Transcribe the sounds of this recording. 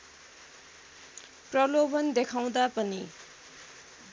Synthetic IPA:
prʌlobʌnd̪ekʰaw̃d̪apʌni

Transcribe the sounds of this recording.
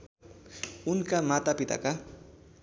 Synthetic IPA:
unkamat̪apit̪a̰ka

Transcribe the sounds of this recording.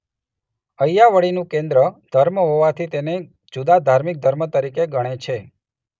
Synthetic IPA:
əjaʋəɭinũkẽnd̪ɾəd̪̥ʱəɾməɦoʋat̪ʰit̪ene | d͡ʒud̪ad̪ʱaɾmik̚d̪ʱəɾmət̪əɾikeɡəɽ̃et͡ʃʰe

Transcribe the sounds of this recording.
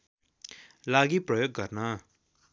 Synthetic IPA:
laɡiprʌjoɡːʌrnʌ

